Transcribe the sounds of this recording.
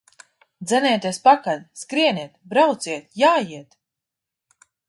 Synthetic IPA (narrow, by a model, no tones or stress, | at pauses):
d̪zɛnʲɛːt̪ʲiɛspakad̪skɾiɛniɛt̪bɾawt̪siɛt̪jaːjiɛt̪